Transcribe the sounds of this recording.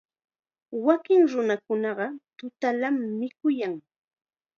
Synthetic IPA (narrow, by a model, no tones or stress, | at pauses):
wakɪŋɾʊnakʊnɑɢɑt̪ʊt̪alamːɪkʊjaŋ